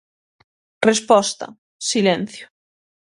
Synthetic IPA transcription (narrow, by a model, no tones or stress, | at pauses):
respɔst̪a̰ | silẽn̟θjo̥